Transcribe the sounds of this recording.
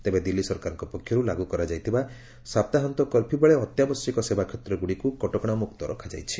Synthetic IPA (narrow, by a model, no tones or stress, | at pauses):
t̪ebed̪ilːisɔɾkaɾɔŋkɔpɔkʰːjɔɾulaɡukɔɾad͡ʒajt̪ʰiba | sapt̪aɦant̪ɔkɔlpʰibɔɭeɔt̪jabɔsjɔkɔsebakʰɔt̪ɾɔɡuɽikukɔʈɔkɔɽ̃ɔmuk̚t̪ɔɾɔ̰kʰad͡ʒa̰jt͡ʃʰi̥